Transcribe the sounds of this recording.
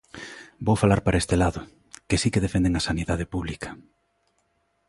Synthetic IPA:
bowfalaɾpaɾʔaest̪elaðʊ | kesikeðefẽnd̪eŋasaniðað̞epuβlikʰɐ̥

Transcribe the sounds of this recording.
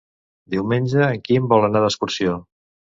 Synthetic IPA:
d̪iwmenʲʒəːŋkimbɔlˠənaðəskuɾsio

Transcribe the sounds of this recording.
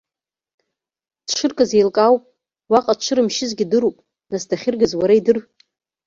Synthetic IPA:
d̥ʂɨrkʼazejlkʼawpʼ | waqʼat͡ʃʷʰɨɾɨmʃɪzɡʲɪdɨɾupʼ | nasdaχʲɪrɡazwaɾaidɨr

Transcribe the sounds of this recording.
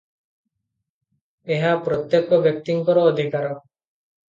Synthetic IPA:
eɦaːpɾot̪ːjekoʋjek̚t̪iŋkɔɾoːd̪ʱikaɾo

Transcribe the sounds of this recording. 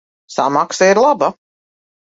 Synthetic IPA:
samaksaiɾlˠaba

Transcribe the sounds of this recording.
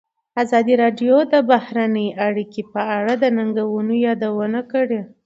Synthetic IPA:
azɑd̪iɾɑɖjod̪əbahɾanəjʔaɽikepəaɽad̪ənaŋɡawunojɑd̪awənakəɽe

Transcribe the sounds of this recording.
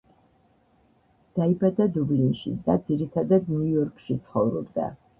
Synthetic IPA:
d̪̥aibad̪ad̪ublinʃḭd̪a̰d̪ziɾit̪ʰad̪ad̪̚njujɔɾkʰʃit̪sʰχɔvɾɔbd̪a̰

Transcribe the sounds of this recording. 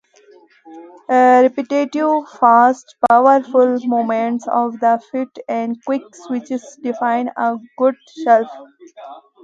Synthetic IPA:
əɾɛpɪʈeʈɪʋfaːsʈpaʊəɾfʊlmõːmẽɳʈsɔ̰ːʋd̪əfɪʈɛ̃ɳɖkwɪksʋɪt͡ʃɪzɖɪfãɪ̃nəɡʊɖ | ʃɛlf

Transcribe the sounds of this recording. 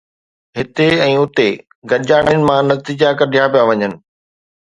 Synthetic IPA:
ɦɪt̪eɛ̃ːʊt̪e | ɡɐʄaːɽ̃jnɪ̆mãnɐt̪iːd͡ʑakɐɾɗʱijaːpijaʋɐɲənɪ̆

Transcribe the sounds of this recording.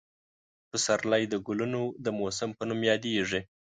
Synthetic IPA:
pəsaɾlajd̪əɡʊlunod̪əmosɪmpənumjɑd̪eʐi

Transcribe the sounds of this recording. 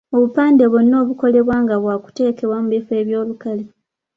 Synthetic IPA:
o̞βupaːnde̞βonːo̞ːβuko̞le̞βwaːŋɡaβwaːku̥te̞ːke̞βwamuβife̞ːβjo̞ːlukale

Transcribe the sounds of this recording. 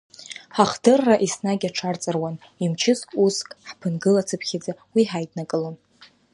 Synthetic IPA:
ħaχdɨrːaʔisnaɡʲaʈ͡ʂʰart͡sʼɨrwan | imt͡ʃʰɪsʼuskʼħpʰɨnɡɨlat͡sʰɨpʰχʲad͡zawiħajdʼnakʼɨlon

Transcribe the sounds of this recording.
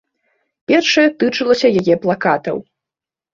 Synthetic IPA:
pʲɛrʂɐjɐt̪ɨt͡ʂɨlˠɐsʲɐjajɛplˠakat̪ɐ̰w

